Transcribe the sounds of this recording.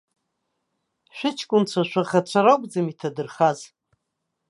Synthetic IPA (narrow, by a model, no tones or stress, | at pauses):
ʃʷᶣɪt͡ʃʰkʷʼʊnt͡ɕʷʰaʃʷᶣaχat͡ɕʷʰaɾowkʼd͡zamitʰadɨrχaz